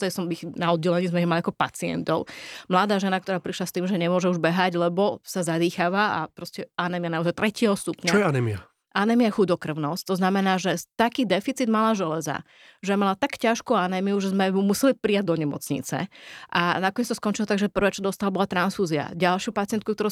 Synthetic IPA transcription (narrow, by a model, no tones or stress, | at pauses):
t̪ɛɛsɔmixnaɔd̪̚ɟɛlɛɲiːzmɛiɣmaliakɔpat͡siɛ̰nt̪ɔʊmlad̪aːʒɛnak̚t̪ɔɾaːpɾiʃlast̪iːmʒɛɲɛmʊɔʒɛuʒbɛɦaɟlɛbɔsazad̪iːxaːʋaa̰pɾɔscɛanɛmianauzajt̪ɾɛcɪɛɦɔst̪upɲt͡ʃaɔjɛanɛmia | ʔanɛmiaxud̪ɔkr̩ʊnɔst̪ɔznamɛnaːʒɛt̪akiːd̪ɛfit͡sid̪malaʒɛlɛza̰ | ʒɛjmalat̪akcaʃkuanɛːmiuʒɛzmɛmumusɛlipɾijaɟ̚d̪ɔɲɛmɔ̰t͡sɲḭt͡sɛ̰ʔanakɔɲeɛt͡st̪ɔskɔnt͡ʃilɔt̪aɡʒɛpr̩ʋɛːt͡ʃɔd̪ɔst̪alabɔlat̪ɾansfuːzia̰ɟalʃɪupat͡sɪɛnt̪kukt̪ɔɾu